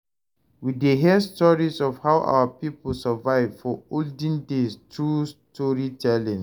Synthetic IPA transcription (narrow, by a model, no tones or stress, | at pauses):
wideɦiəstɔɹisɔfhaʊʔa̰wəpipəlsəvaɪvfɔoldĩndestɹustʰɔɹitʰɛlĩn